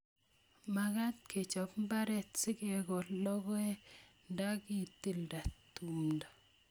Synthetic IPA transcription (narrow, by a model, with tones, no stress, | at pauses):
ma˨ka˦tkʰe˨t͡ʃɔ˨pmba˦ɾɛ˨tsɪ˦kɛ˨kɔ˨lɔ˦ɡɔ˦ɛ˦nda˦ki˦ti˦lda˨tu˨mda˨